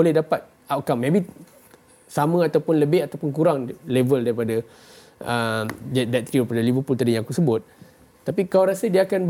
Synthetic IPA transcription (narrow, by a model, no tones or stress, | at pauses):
olɛhdapat̪̚ | awʔkamːẽbi | samə̃at̪awpʊnləbɪhat̪awpʊnkuɾaŋlevəldaɾipada | əmd͡ʒadak̚t̪ɾiaɾipadalibəpult̪adijãŋakusəbʊt̪̚ː | apikawɾasədiaːkanb